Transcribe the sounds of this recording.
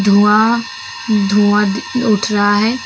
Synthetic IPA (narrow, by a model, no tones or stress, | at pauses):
d̪ʱua | d̪ʱuːaʊʈʰɾaɦaɦɛː